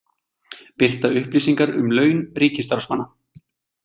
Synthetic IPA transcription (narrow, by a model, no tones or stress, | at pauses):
pɪr̥t̪aʏhpliːsiŋkaɾʏ̰mlœːɥnriːcɪnst̪aɾsmanːa